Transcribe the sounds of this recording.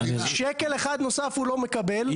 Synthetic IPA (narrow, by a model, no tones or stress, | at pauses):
ʃekeleχad̪no̞safhulo̞me̞kabel